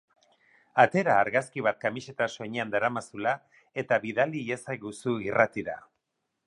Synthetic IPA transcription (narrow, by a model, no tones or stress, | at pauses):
at̪e̞ɾaːɾɣaskiβ̞at̪̚kamise̞t̪aso̞ɲeand̪aɾamasula | e̞t̪aβiðaliesajɣusuirat̪iða̰